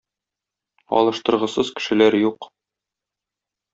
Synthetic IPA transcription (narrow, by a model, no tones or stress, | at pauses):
ɒ̰lˠɤ̆ʃt̪ɤ̆ɾʁɤ̆sɤzkɘ̥̆ʃɘ̆læɾjuq